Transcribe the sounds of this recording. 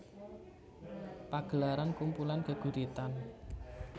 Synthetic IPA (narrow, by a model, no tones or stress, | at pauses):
paɡ̥ə̤laɾankumpulankəɡ̥ṳɾit̪an